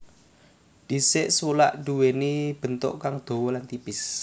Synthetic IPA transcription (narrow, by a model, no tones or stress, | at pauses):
d̪̥i̤seʔswula̰ʔɖ̥uwenib̥ə̤nt̪o̰ʔkaŋd̪̥o̤wɔlant̪ipɪs